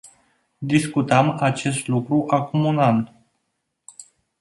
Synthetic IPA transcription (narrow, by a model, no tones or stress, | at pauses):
d̪iskut̪əmat͡ʃe̞st̪lukɾuʔakumunan